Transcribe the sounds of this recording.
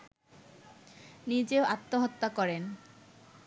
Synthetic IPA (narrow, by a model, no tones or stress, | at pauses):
nid͡ʑeoʔat̪ːoɦɔt̪ːakɔɾen